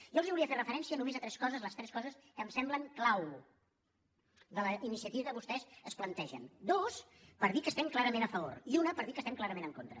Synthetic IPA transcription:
ʒɔlˠziuliəferəfəɾɛnsiənumezət̪ɾɛskɔzəzləst̪ɾɛskɔzəskəmsɛmbləŋklaw | ðələinisiət̪iəkəβust̪ɛzəsplənt̪ɛʒə̰nd̪os | pəɾðikəːst̪ɛmklˠaɾəmenəfəβo̰ɾiunəpəɾðikəst̪ɛmklaɾəmenəŋkont̪ɾə̰

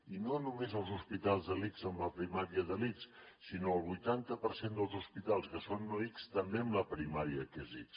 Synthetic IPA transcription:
inonumezəlˠzuspit̪alˠzðəlikzəmləpɾimaɾiəðəlits | sinoəlˠβujt̪ant̪əpəɾsend̪əlˠzuspit̪alˠskəsonːɔikst̪əmbeəmləpɾimaɾiəkɛzis

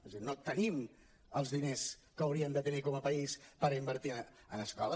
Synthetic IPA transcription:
znot̪ənim | əlˠzðineskəəwɾiənd̪ət̪ənikɔməpəispəɾimbəɾt̪i | ənəskɔlə

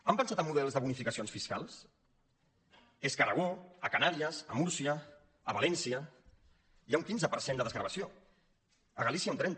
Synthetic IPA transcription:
əmpənsat̪əmːuðɛlˠzðəβunifikəsionsfiskalˠs | eskərəɣ̞oəkanaɾiəzəmuɾsiəː | βalɛnsiə | iauŋkinzəpəɾsend̪əðəzɣɾəβəsio | əɣəlisiaunt̪ɾɛnt̪

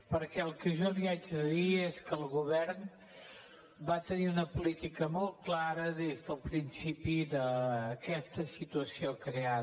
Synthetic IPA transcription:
pəɾkɛəlˠkəʒɔliad͡ʒðəðieskəlˠɣuβɛɾn | bat̪əniunəpulit̪ikəmɔlˠt̪̚klaɾəðezðəlˠpɾinsipiðəkɛst̪əsit̪uəsiokɾea

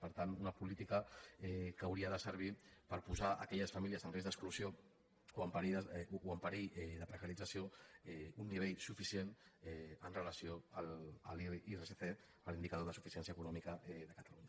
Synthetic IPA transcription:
pəɾt̪anunəpulit̪ikəɛkəwɾiəðəsəɾβ̞ipəɾpuzaʔə̰kɛʎəsfamiliəzənrezðəkskluzio | oəmpaɾiðəoəmpaɾijɛðəpɾəkaɾidd͡zəsijoɛunːiβ̞ejsufisjenɛənrələsijoələ̰lireseθe | əlind̪ikað̞oð̞əsufisjɛns̬jəkunɔmikəɛðəkət̪aluɲa

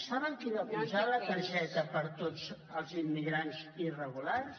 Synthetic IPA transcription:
saβəŋkiðəpuzaləkəɾʒɛt̪əpəɾt̪od͡z | əlˠzimːiɣɾanzirəɣulaɾs

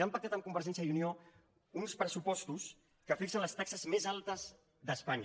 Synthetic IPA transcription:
ampək̚t̪at̪əmkumbəɾʒɛnsjəjiunio | unspɾəsupɔst̪us | kəfiksənləst̪aksəzmezalˠt̪əz | ðəspaɲ

